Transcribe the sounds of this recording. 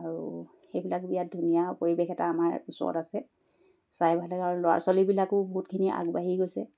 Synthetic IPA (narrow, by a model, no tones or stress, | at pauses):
aɹu | xejbilakbijat̚dʱunijapoɹibexɛta̰ːmaɹisɔ̰tasɛ | sajbʱajlaɡaɹulʊwa̰ɹsalibilakʊbɔɦutkʰiniʔa̰ɡbaɦiɡojsɛ